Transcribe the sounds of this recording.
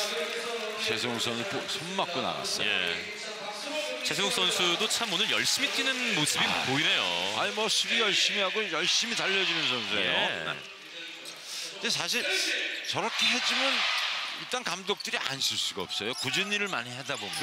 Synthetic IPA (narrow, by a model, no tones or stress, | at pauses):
t͡ɕe̞s̬ʰoŋsʰʌnɯnposʰommak͈̚ona̰ɡa̰s͈ʌje | t͡ɕe̞s̬ʰoŋs͈ʰʌnsʰudot͡ɕʰamonɯɭjʌɭɕ͈imit͈ʰinɯnmosɯbimpoiɾe̞jo̰a̰imʌɕʰibijʌɭɕ͈imiɦaɡojʌɭɕ͈imit͡ɕaʎːʌd͡ʑunɯnsʰʌnsʰuejo̰ | d͡ʑes̬ʰaɕʰiɭt͡ɕʌɾʌkʰe̞ɦe̞d͡ʑumjʌniɭt͈ankamdok̚t͈ɯɾiʔa̰nsʰuɭs͈uɡaʌp̚s͈ʌjokud͡ʑunːiɾɯɭmaɲiɦadabomjn